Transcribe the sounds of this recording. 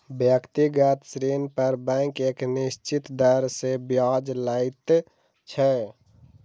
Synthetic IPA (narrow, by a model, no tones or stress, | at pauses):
bjəkt̪iɡət̪sɾenpəɾbɛ̃keknist͡ʃit̪d̪əɾsebjad͡ʒlait̪ | t͡ʃʰɛ